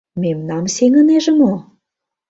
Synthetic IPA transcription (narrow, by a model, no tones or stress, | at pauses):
memnɑmseŋə̆neʒə̆mo